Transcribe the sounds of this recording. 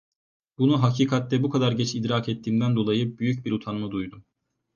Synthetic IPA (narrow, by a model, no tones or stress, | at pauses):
bunuɦacʰiːkʰat̪lːɛbukʰad̪aɾɟɛt͡ʃʰid̪ɾaːkɛt̪ʰːiːmd̪ænd̪o̞lˠajɯbyjycbiɾut̪ʰanmɯd̪ujd̪u